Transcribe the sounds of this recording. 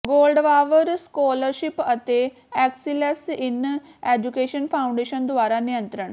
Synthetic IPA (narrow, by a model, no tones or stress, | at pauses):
ɡoːlɖʋaːʋəɾskoːləɾʃɪpət̪eː | ɛːksilɛsɪn | ɛːd͡ʒukeːʃənpʰaːʊ̃ɳɖeːʃənd̪ʊaːɾaːnɪjə̃nt̪ɾəɳ